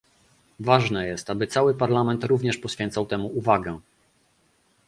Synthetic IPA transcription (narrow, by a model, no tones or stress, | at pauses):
vaʐnɛjɛst̪abɘt̪sawɘpaɾlamɛnt̪ɾuvɲɛʂpɔɕfʲjɛnt̪sawt̪ɛmuuvaɡɛ